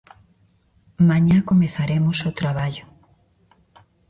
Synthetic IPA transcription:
mãɲakomeθaɾemosot̪ɾaβaʎʊ

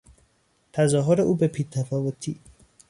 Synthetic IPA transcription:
t̪ʰæzɒːɦoɾeʔuːbepʰiːt̪ʰæfɒːvot̪ʰiː

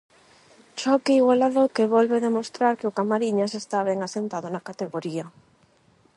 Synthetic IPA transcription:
t͡ʃɔkiiɣwalaðokeβɔlβeðemost̪ɾaɾkeʊkamaɾiɲasest̪aβ̞ɛŋasent̪aðʊnakat̪eɣoɾia

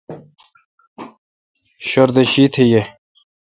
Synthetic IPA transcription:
ɕoɾd̪eɕit̪ʰeje

